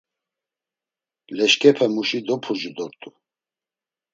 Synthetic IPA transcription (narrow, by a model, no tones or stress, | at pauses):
lɛʃkʼɛpʰɛmuʃid̪ɔpʰud͡ʒud̪ɔɾt̪ʼu